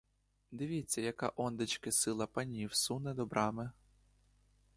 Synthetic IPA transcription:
d̪ɪʋʲit͡sʲːɐjɐkɑ̰ʔɔnd̪ɪt͡ʃkɪsɪlˠɐpɐnʲiwsunɛd̪ɔbɾʔɑmɪ

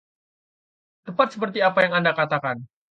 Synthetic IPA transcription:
t̪əpat̪̚səpərt̪̬iapajaŋandakat̪akan

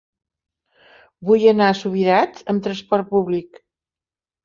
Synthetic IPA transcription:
bujənasuβ̞iɾat͡səmt̪ɾəspɔɾt̪̚puβlik

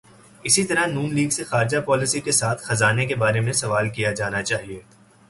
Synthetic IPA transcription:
ɪsit̪ɐɾanũːnliːɡsexaːɾɪd͡ʒapɔːlɪsikesaːt̪ʰxɐzaːnekebaːɾemẽsɐʋaːlkijad͡ʒaːnat͡ʃaːɦieː

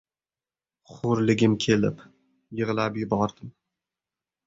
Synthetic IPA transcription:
χʊɾlɪɡʲɪmkʲʰe̞lɪp | jɨʁlapjɪbɒɾd̪̥ɪm

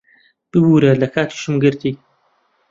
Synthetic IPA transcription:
b̥ɨbuːɾɐlɐkʰaːt̪ʰi̥ʃɨmɡɨɾt̪ʰiː

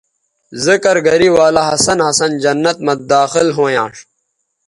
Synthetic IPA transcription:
zəkɐɾɡɐɾiwaːlaɦɐsɐnhɐsɐnd͡ʑɐnːɐt̪̚mɐd̪aːxɪlɦõːjãːʂ

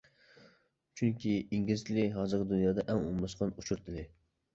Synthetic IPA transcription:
t͡ʃʰyŋkʲʰiiŋɡʲilt͡ʃ̪ʰlɪɦɑːzɨɾɡʲɪd̪unjɑːd̪ɛʔɛŋṵmlɑsqɑnut͡ʃʰuɾt̪ʰɪlɪ

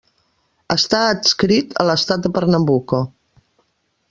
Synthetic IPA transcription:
əst̪aət̪skɾit̪ʰə̰ləst̪at̪̚d̪əpəɾnəmbuko

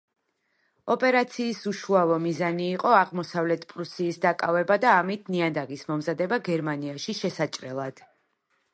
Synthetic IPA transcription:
ɔpʼɛɾat̪sʰiːsuʃuavɔmizaniːqʼɔaʁmɔsavlɛt̪ʰpʼɾusiːsd̪akʼavɛbad̪aːmit̪ʰniand̪aʁismɔmzad̪ɛbaɡɛɾmaniaʃiʃɛsat͡ʃʼɾɛlˠad̪̥

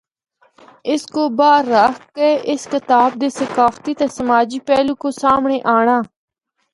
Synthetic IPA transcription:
ɪskoːbaːɾːaːkkeʔɪskɪt̪aːb̚d̪eːsəkaːft̪iːt̪esəmaːd͡ʒiːpɛːlũːkoːsaːmɳeːʔaːɳ̃aː

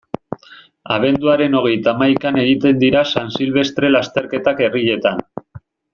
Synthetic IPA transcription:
a̰β̞e̞nd̪uaɾe̞no̞ɣ̞e̞jt̪amajkane̞ɣ̞it̪e̞nd̪iɾasansilβ̞e̞st̪ɾe̞last̪e̞ɾke̞t̪ake̞riʎe̞t̪an

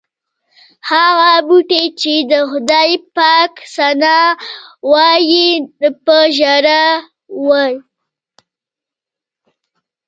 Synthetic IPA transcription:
haɣabuʈet͡ʃed̪əxʊd̪ɑjpɑksanɑ | wɑjid̪əpəʒaɾa | wəj

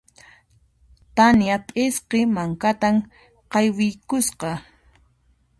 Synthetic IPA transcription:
t̪anjapʼɪsqemaŋkat̪am | qɑjwɪjkʊsqɑ

